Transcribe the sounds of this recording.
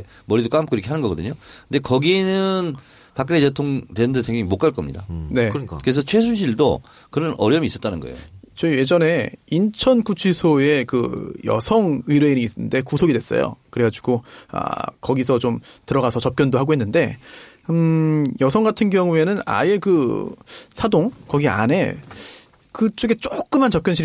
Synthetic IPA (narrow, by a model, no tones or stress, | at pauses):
mʌɾidok͈amkoiɾʌkʰe̞ɦanɯnɡʌɡʌdɯɲokɯnde̞kʌɡinɯn | pak͈neetʰoŋtenɯndɯsʰeŋɡjeŋimok͈aɭk͈ʌmɲḭda̰ne̞kkɯɾes̬ʰʌt͡ɕʰwe̞s̬ʰuɕ̬ʰiɭdo | kɯɾʌnʌɾjʌmiːs͈ʌt͈anɯnɡʌḛot͡ɕʌije̞d͡ʑʌne̞int͡ɕʰʌnkut͡ɕʰisʰoe̞kɯ̰jʌ̰sʰʌŋɯiɾeiɲiːs͈nɯnde̞kusʰoɡidwe̞s͈ʌ̰jo̰kɯɾe̞ɡad͡ʑuɡoa̰kʌɡisʰʌt͡ɕomtɯɾʌɡasʰʌt͡ɕʌp̚k͈jʌndoɦaɡoɦenːɯnde̞ | jʌsʰʌŋɡatʰɯnɡjʌŋue̞nɯna̰je̞kɯ | sʰadoŋkʌɡia̰ne̞ | kɯt͡ɕ͈oɡe̞t͡ɕ͈ok͈ɯmːant͡ɕʌp̚k͈jʌnɕʰi